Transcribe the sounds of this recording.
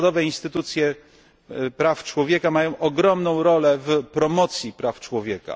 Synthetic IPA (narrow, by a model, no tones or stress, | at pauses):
d̪ɔvɛinst̪ɘt̪ut̪sʲjɛ | pɾaft͡ʂwɔvʲjɛkamajɔ̃w̃ʔɔɡɾɔmnɔ̃w̃ɾɔlɛvpɾɔmɔt̪sʲjipɾaft͡ʂwɔvʲjɛka̰